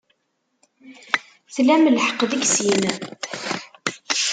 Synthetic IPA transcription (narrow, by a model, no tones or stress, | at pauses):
θlæmlħə̥qðəksimə